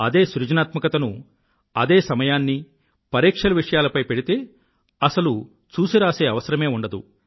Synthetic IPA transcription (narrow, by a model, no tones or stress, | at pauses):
ɐd̪e̞ːsɾud͡ʒɐnaːt̪mɐkɐt̪ɐnu | ɐd̪eːsɐmɐjaːnːi | pɐɾiːkʂɐlɐʋiʂɐjaːlɐpɐjpeɽit̪e̞ː | ɐsɐlu | t͡ʃuːsiɾaːse̞ːɐʋɐsɐɾɐme̞ːuɳɖɐd̪u